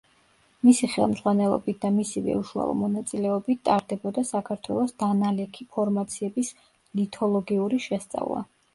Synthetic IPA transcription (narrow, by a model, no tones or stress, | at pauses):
misiχɛ̰lˠmz̥ʁwanɛlˠɔ̰bit̪̚ʰd̪amisivɛ̰uʃua̰lˠɔ̰mɔnat̪sʼilɛɔbit̪t̪ʼaɾd̪ɛbɔd̪asakʰaɾt̪ʰwɛ̰lˠɔsd̪̥analɛkʰipʰɔɾmat̪sʰiɛbis | lit̪ʰɔlˠɔɡiuɾiʃɛst̪sʼa̰vlˠa̰